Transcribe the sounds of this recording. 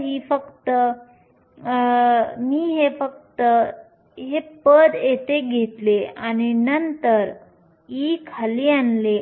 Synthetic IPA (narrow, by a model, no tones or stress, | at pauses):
ɦifəkt̪ə | miːɦefək̚t̪ə | ɦepəd̪jet̪eɡʱet̪leañinənt̪əɾ | ikʰalianle